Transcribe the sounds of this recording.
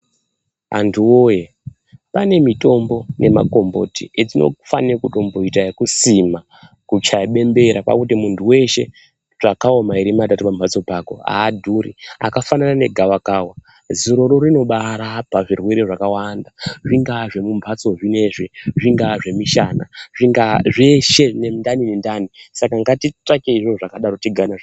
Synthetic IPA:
a̰ntʰuwoje | pane̞mito̞mbo̞ne̞ma̰ko̞mbo̞̰tie̞d͡zino̞̰fanirkuto̞mbo̞itaekusima | kut͡ʃaiɓe̞mbe̞ɾapa̰kutimuntʰuwe̞ʃe̞̰ | ʐakao̞maiɾimat̬atupampʰat͡so̞pako̰a̰ːdʱuɾḭa̰kafananane̞ɡʱawakaːwa | zuɾo̞ɾo̞ɾino̞ɓaɾapaʐirweɾeʐakawandaʐiŋɡaʐe̞mumbʱat͡so̞ʐine̞ʐiʐiŋɡaʐe̞miʃana̰ʐiŋɡaʐeʃe̞nendaninendanisakaŋɡatitakeiʐoʐakaɗaɾo̞tiɡʱanaʐ

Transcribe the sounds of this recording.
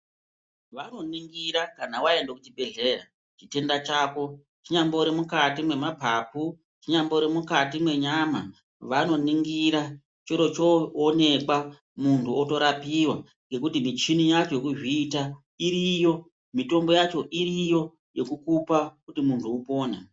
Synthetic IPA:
ʋano̞niŋɡiɾakanawae̞ndokut͡ʃibe̞ɮe̞ra | t͡ʃite̞ndat͡ʃaːko̞ | t͡ʃiɲamboɾimukatimwe̞mapapu | t͡ʃiɲamboɾemukatimwe̞ɲama | ʋano̞niŋɡiɾa | t͡ʃoɾo̞t͡ʃoːne̞kwa | muntʰuoto̞ɾapiwa | ŋɡe̞kutimit͡ʃinijat͡ʃojekuʐiːta | iɾijo̞ | mito̞mbo̞jat͡ʃo̞ʔirijo̞ | je̞kukupakutimuntʰuupo̞ːna

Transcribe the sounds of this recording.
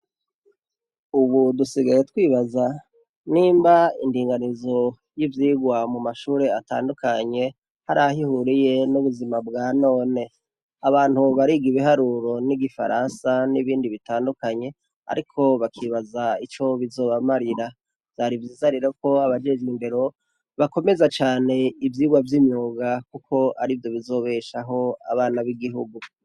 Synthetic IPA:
uβudusiɡajetwiːβaza | niːmbaindiːŋɡanizo̞ | jivjiːɡwamumaʃuːɾe̞ata̰ːndukʰaɲe̞ | haɾahihuɾije̞nuβuzimabɡaːno̞ːne̞ | aβaːn̥huβaɾiɡiβiɦaɾuɾo̞niɡifa̰ɾʔansaniβiːndiβitaːndukaɲe̞ | a̰ɾikʰo̞βakʰiβazait͡ʃo̞βizo̞ːβamaɾiɾa | vaɾivjiːzaɾiɾeko̞aβad͡ʒed͡ʒimbe̞ɾo̞ | βako̞me̞zat͡ʃaːne̞ivjiːɡwavjimɲuːɡakukʰo̞a̰ɾivjo̞βizo̞ːβe̞ʃaɦo̞a̰βaːnaβiɡiɦuɡu

